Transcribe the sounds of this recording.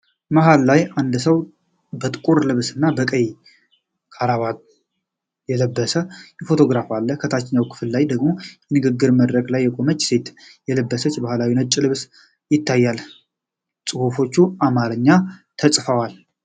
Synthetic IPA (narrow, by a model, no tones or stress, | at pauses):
məɦallajand̪səw | bət̪ʼɨkʼuɾlɨβsɨnːabəkʼəj | kʰaɾaβat̪ | jɛləbːəsəfo̞t̪ʰo̞ɡɾafalːəkʰət̪ʰat͡ʃːɪɲːawkʰɨ̥fɨllajd̪əɡmo̞jɛnɨɡɨɡːɨɾməd̪ɾəɡlajːɛkʼo̞mət͡ʃːse̞t̪jɛləbːəsət͡ʃːbahlawinət͡ʃʼːlɨβs | jɪt̪ːajːal | sʼɨhufo̞t͡ʃːuʔamaɾəɲːat̪ʰəsʼfəwal